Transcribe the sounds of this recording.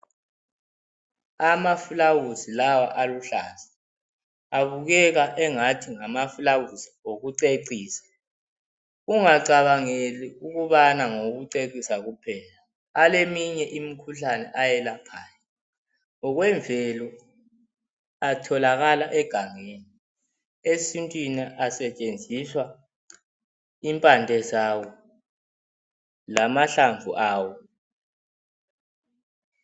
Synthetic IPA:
amafulawuzilawaʔaluɬa̰ːza | aβuɣɛɣaʔɛŋatʰiŋamafulawuzioɣuǀeǀiːsḁ | uŋaǀaβaŋeliuɣuβanaŋoɣuǀeǀisaɣupʰɛːlaː | lemiɲɛʔimikʰuɬanɛʔajɛlapʰaːja | ɔɣwɛɱvʱɛlɔ | atʰɔlaɣalaʔɛɡ̥ʱaŋeni | esintʼwiniʔasɛt͡ʃʼend͡zʱiswa | impʼandʱɛzawɔ | lamaɬaɱvʱuʔaːwɔ

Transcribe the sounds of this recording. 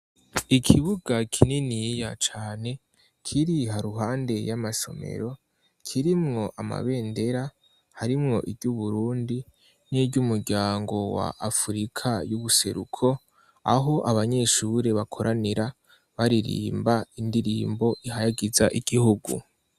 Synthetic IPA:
ikʰiβuɡakʰininijat͡ʃaːne̞ | kʰiɾiɦaɾuɦaːnde̞jamaʃo̞̰me̞̰ɾo̞ | kʰiɾimŋo̞ʔama̰βe̞ːnde̞ɾa | haɾimŋo̞̰ʔibɟuβuɾuːndi | niɟumuɾɟaːŋɡo̞wa̰ʔafuɾikʰajuβuse̞̰ɾṵkʰo̞ | a̰ɦo̞ʔaβaɲe̞ʃuːɾe̞βakʰoɾʔaniɾa | βaɾiɾḭːmbaindiɾiːmbo̞ʔihajaɡizaʔiɡ̥ihuɡṵ

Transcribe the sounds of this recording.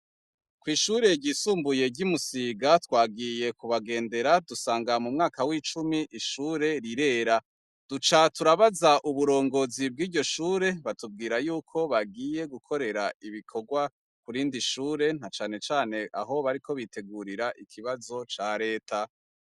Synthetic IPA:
kwiːʃuːɾe̞ɟiːsuːmbuje̞ɟimusiːɡatwaːɡije̞kuβaɡe̞ːnde̞ɾadusaːŋɡamumŋaːkawiːt͡ʃumiʔiʃuːɾe̞ɾiɾe̞ːɾa | d̥ut͡ʃatuɾaβazaʔuβuɾo̞ːŋɡo̞zib̚ɡiːdɟo̞ʃuːɾe̞βatub̚ɡiːɾajuːkʰo̞βaɡiːje̞ɡukʰo̞ɾe̞ɾaiβikʰo̞ɡwa | kuɾiːndiʃuːɾe̞n̥at͡ʃaːne̞t͡ʃaːne̞ʔa̰ɦo̞βaɾiko̞βite̞ɡuːɾiɾaʔikʰiβazo̞t͡ʃaɾe̞ːtʰa

